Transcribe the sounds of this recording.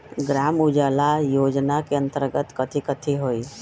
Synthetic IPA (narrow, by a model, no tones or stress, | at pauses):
ɡɾaːmud͡ʒaːlajoːd͡ʒnakeə̃nt̪əɾɡət̪kət̪ʰikət̪ʰiɦoːi